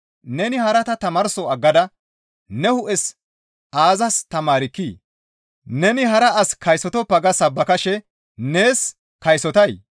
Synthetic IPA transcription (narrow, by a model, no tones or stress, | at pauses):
nɛnɪhɐɾɐt̪ɐt̪ɐmɐɾsɔɐɡːɐd̪ɐ | nɛhʊʔɛs | aːzɐst̪ɐmaːɾɪkːiː | nɛnɪɦɐɾɐʔɐskɐjsɔt̪ɔpːɐɡɐsɐbːɐkɐʃɛ | neːs | kɐjsɔt̪ɐj